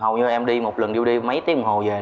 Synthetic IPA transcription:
hə˨˩wɲɨ˧ʔɛ˧mɗi˧mo˨˩t̚lə˨˩nɗi˧wɗi˧mə˨˦jt̪i˧˦əŋ͡mɦo˨˩zeː˨˩

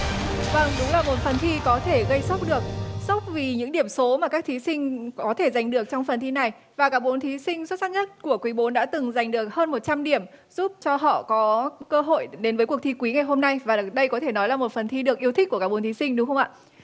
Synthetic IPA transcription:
və˧ŋɗʊ˨˦ŋ͡mlaː˨˩ɓo˨˦nfə˨˩nt̪ʰi˧kɔ˨˦t̪ʰe˧˩ɣə˧jsa˦˥wk͡p̚ɗɨ˨˩ək̚sa˦˥wk͡p̚vi˨˩ɲɨ̰˧˥ŋɗi˧˩əmso˨˦maː˨˩kaː˦˥k̚t̪ʰi˨˦sï˧ŋ̟kɔ˨˦t̪ʰe˧˩za˨˩jŋ̟ɗɨ˨˩ək̚t͡ɕɔ˧wŋ͡mfə˨˩nt̪ʰi˧na˨˩j | vaː˨˩kaː˦˥k̚ɓo˨˦nt̪ʰi˨˦sï˧ŋ̟swt̚saː˦˥ɲə˦˥t̚ku˧˩əkwi˨˦ɓo˨˦nɗa̰ː˧˥t̪ɨ˨˩ŋza˨˩jŋ̟ɗɨ˨˩ək̚həː˧nmo˨˩t̚t͡ɕa˧mɗi˧˩əmz̥u˦˥p̚t͡ɕɔ˧ɦɔ̰˧˨kɔ˨˦kəː˧ɦo̰˧˨jɗe˨˦nvəː˨˦ku˨˩ək̚t̪i˧kwi˨˦ŋa˨˩jɦo˧mna˧jvaː˨˩ɗə˧jkɔ˨˦t̪ʰe˧˩nɔ˨˦jlaː˨˩mo˨˩t̚fə˨˩nt̪ʰi˧ɗɨ˨˩ək̚ʔi˧əwt̪ʰi̟˦˥ku˧˩kaː˦˥k̚ɓo˨˦nt̪i˨˦sï˧ŋ̟ɗʊ˨˦xə˧ŋ͡mʔa̰ː˧˨

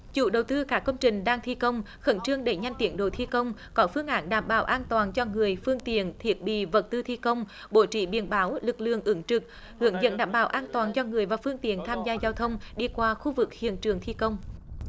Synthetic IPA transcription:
t͡ɕṵ˧˥ɗə˨˩wt̪ɨ˧kaː˦˥kːə˧wŋ͡mt͡ɕï˨˩ŋ̟ɗaː˧ŋt̪ʰi˧kə˧wŋ͡m | xə˧˦nt͡ɕɨ˧əŋɗe˧˩ɲa˧jŋ̟t̪i˨˦ənɗo̰˧˨˩t̪ʰi˧kə˧wŋ͡mkɔ˨˦fɨ˧əŋʔaː˨˦nɗaː˧˩mɓaː˨˦wʔaː˧nt̪waː˨˩nt͡ɕɔ˧ŋɨ˨˩əjfɨ˧əŋt̪ḭ˧˨ənt̪ʰi˨˩ət̚ɓḭ˧˨və˨˩t̚t̪ɨ˧t̪ʰi˧kə˧wŋ͡m | ɓo˧˦t͡ɕḭ˧˩ɓḭ˧˩ənɓaː˨˦wlɨ˨˩k̚lɨ̰˧˨əŋʔɨ˨˦ŋt͡ɕɨ˨˩k̚ | hɨ̰˧˩˦əŋzə̰˧˥nɗaː˧˨˩mɓaː˨˩˦wʔaː˧nt̪waː˨˩nt͡ɕɔ˧ŋɨ˨˩əjvaː˨˩fɨ˧əŋt̪ḭ˧˨ənt̪ʰaː˧mzaː˧zaː˧wt̪ʰə˧wŋ͡mɗi˧kwaː˧xu˧vɨ˨˩k̚hḭ˧˨ənt͡ɕɨ˨˩əŋt̪ʰi˧kə˧wŋ͡m

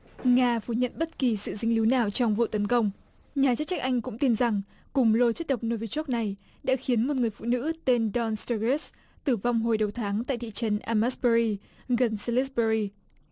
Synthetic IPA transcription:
ŋaː˧fu˨˧˩ɲə̰˧˨nɓə˦˥t̚ki˨˩sɨ̰˧˨zï˧ŋli˨˦wnaː˨˩wt͡ɕɔ˧wŋ͡mvṵ˧˨t̪ə˨˦nkə˧wŋ͡m | ɲaː˨˩t͡ɕ̚t͡ɕa˦˥k̚ʔa˧jŋ̟kʊ̰˧˥ŋ͡mt̪i˧nza˨˩ŋ | kʊ˨˩ŋ͡mlo˧t͡ɕə˦˥t̚ɗə˨˩wk͡p̚no˧vi˧t͡ɕɔ˦˥k̚na˨˩j | ɗa̰ː˧˥xi˨˦ənmo˨˩t̚ŋɨ˨˩əjfṵ˧˨nɨ̰˧˥t̪e˧nɗɔ˧nst̪ə˧ɣe˦˥s | t̪ɨ˨˩va˧wŋ͡mɦo˨˩jɗə˨˩wt̪ʰaː˨˦ŋt̪a̰ː˧˨t̪ḭ˧˨t͡ɕə˨˦nʔaː˧ma˦˥sɓə˧ɹi˧ | ɣə˨˩nsə˧li˦˥sɓə˧ɹi˧

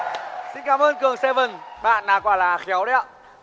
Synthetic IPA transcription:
sï˧nkaː˨˦mʔəː˧nkɨ˨˩əŋse˧vɨ˨˩nɓa̰ː˧˨nːaː˨˩kɔ˧˩laː˨˦˩xɛ˨˦wɗə˧ja̰ː˧˨

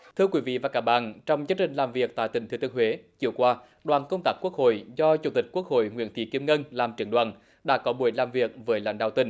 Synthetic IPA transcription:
t̪ʰɨ˧əkwi˨˦vḭ˧˨vaː˨˩kaː˨˥ɓa̰ː˧˨nt͡ɕɔ˧wŋ͡mzəː˨˦˥t͡ɕï˧˨ŋ̟laː˨˩mvi˨˩ək̚t̪a̰˧˨jt̪ï˧˩ŋ̟t̪ɨ˨˧˩t̪ɨ˧əŋɦwe˨˦t͡ɕi˨˧˩əwkwaː˧ | ɗwaː˨˩nkə˧wŋ͡mt̪aː˦˥k̚ku˦˥ək̚ho̰˧˨jzɔ˧t͡ɕu˧˩t̪ï˨˩k̟̚ku˦˥ək̚ho̰˧˨jŋwḭ˧˥ənt̪ʰḭ˧˩ki˧əmŋə˧nlaː˨˩mt͡ɕɨ˨˩ənɗwa̰ː˧˨n | ɗa̰ː˧˥kɔ˨˦ɓu˧˩əjlaː˨˩mvi˨˩ək̚vəː˨˦jla̰˧˩jŋ̟ɗa̰˧˨wt̪ï˧˩ŋ

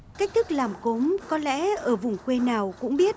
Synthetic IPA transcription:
ka˦˥k̚t̪ʰɨ˦˥k̚laː˨˩mko˨˦mkɔ˨˦lɛ̰˧˥ʔəː˧˩vʊ˨˩ŋ͡mkwe˧naː˨˩wkʊ̰˧˥ŋ͡mɓi˦˥ət̚

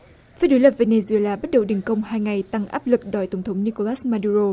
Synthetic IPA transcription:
faː˨˧˦jɗo˨˦jlə˨˩p̚ve˧ne˧zu˧e˧laː˧ɓa˦˥t̚ɗə˨˩wɗi˨˩ŋkə˧wŋ͡mhaː˧jŋa˨˩jt̪a˧ŋʔaː˦˥p̚lɨ˨˩k̚ɗɔ˨˩jt̪ə˨˩wŋ͡mt̪ʰə˨˦ŋ͡mni˧ko˧laː˦˥smaː˧ɗu˧ɾo˧

